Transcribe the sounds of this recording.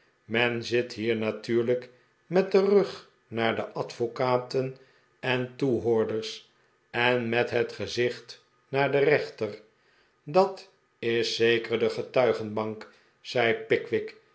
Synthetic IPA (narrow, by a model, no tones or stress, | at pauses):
mɛnzɪtɦiːɹnatyːɹlək | mɛt̚dərɵχ | naːɹdəʔɑtfokaːtən | ɛntuɦʊːɹdəɹs | ɛnmɛtɦətχəzɪχt | naːɹdərɛχtər | dɑt | ɪsːejkəɹdəχətœɥχənbɑŋk | sɛjpɪkʋɪk